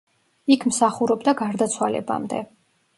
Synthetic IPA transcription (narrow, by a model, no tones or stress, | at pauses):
ikʰmsaχuɾɔbd̪aɡaɾd̪at̪sʰwalɛ̰ba̰md̪ɛ̰